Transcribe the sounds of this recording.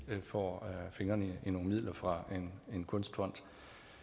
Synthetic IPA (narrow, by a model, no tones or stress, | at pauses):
fɒ̰ːfe̝ŋɐːniino̝ːŋ̩mið̰ˠlʔɐfʁɑ̈e̝nenkʰɔ̽nsd̥fɒ̽n̰d̥